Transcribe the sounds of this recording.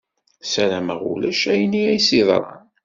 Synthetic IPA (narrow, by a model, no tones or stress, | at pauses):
sælæməʁṵlæʃæjniæjsiðˤɾˤɑ̰n